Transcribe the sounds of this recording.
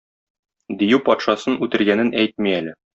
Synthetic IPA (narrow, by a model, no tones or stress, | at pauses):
d̪ijʉpɒt̪ʃɑsɤnʉt̪ɘ̆ɾɡænɘnʔæjt̪̚miælɘ